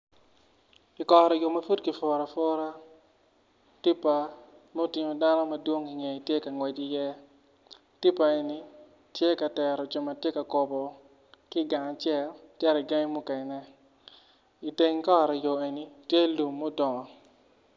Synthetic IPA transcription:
i˨kɔ˨ɾɔ˨jo˨mɐ˨fu˦tki˨fɔ˨ɾa˨fɔ˦ɾa˦ | ti˦pːa˨ | mo˦˨ti˨ɲo˨da˦no˦ma˨dwo˦ŋi˨ŋe˨i˨tje˦ka˨ŋwɛ˨d͡ʒi˦jɛ˦ | ti˦pa˨e˨ni˨ | tje˦ka˨tɛ˨ɾɔ˨d͡ʒo˨ma˨tje˦ka˨ko˨bɔ˨ | kɪ˦ɡa˨ŋa˨t͡ʃɛ˦˨ltjɛ˦ɾɔ˨i˨ɡa˦ŋ˦mu˦ke˨nɛ˦ | i˨te˨ŋ˦kɔ˦˨ɾɔ˨jo˨e˨ni˨tje˦lu˨mːo˦dɔ˨ŋɔ˨

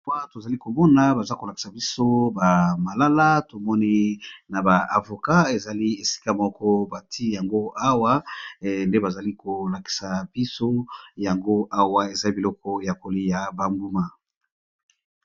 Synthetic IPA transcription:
a˦to˨za˨li˦ko˨mɔ˦na˨ba˨za˦ko˨la˨ki̥˨sa˨bi˦so˦ba˨ma˨la˦la˦to˨mɔ˦ni˦na˨ba˨a˨vo˨ka˦e˨za˨li˦e˨si̥˦ka˦mɔ˦kɔ˦ba˨ti˦ja˨ŋɡo˦a˦wa˦nde˦ba˨za˨li˦ko˨la˨ki̥˨sa˨b̥i˦so˦ja˨ŋɡo˦ʔa˦wa˦e˨za˨li˦bi˨lɔ˦kɔ˦ja˨ko˨li˦ja˨ba˨mbu˦ma˦

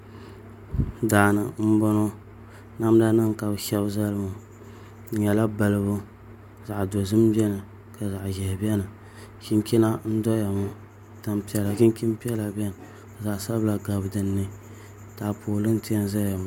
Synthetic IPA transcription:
daː˨nɨ˨m̩˦bɔ˦no˦ | na˦m˦da˦nɨ˦ŋ˨ka˨bʃɛ˦bza˦lɨ˦mu˨˦ | ɲɛ˨la˦ba˨lɨ˦bʊ˦ | za˨ʔdo˨zɨ˦m˦bɛ˦nɨ˨ | ka˨za˨ʔʒɛ˨bi˦ɛ˦nɨ˨ | ʃi˦ŋ˦kʲi˦na˦n̩˦dɔ˦ja˨mu˦ | ta˨mpi˦ɛ˦la˨ʃi˦ŋ˦kʲi˦m˦pi˦ɛ˦la˨bʲɛ˦nɨ˨ | za˨ʔsa˦bla˨ɡa˨bdɨ˨nːɨ˦ | ta˨pʰoː˨lɨ˦n˦ti˦a˦n˦za˦ja˨m˨

